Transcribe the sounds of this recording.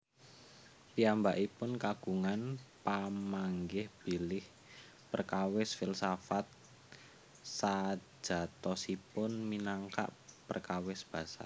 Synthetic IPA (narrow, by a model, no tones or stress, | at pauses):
piambaʔipʊnkaɡ̥uŋanpamaŋɡɪhb̥ilɪh | pərkawɪsfilsafat̪̚ | sḁʒ̥a̤t̪ɔsipʊnminaŋka̰ʔpərkawɪsb̥a̤sa̰